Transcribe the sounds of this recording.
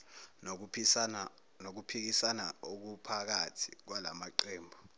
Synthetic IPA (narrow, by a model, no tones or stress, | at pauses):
nok̬upʰik̬isanaok̬upʰak̬atʰi̥̰k̬wala̰maǃeːmbʱɔ